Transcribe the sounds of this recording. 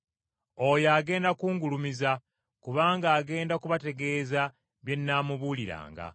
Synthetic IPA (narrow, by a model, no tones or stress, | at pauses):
o̞jaːɡe̞ːndakuːŋɡulumiza | kuβaːŋɡaːɡe̞ːndakuβate̞ɡe̞ːza | βje̞nːaːmuβuːliɾa̰ːŋɡa̰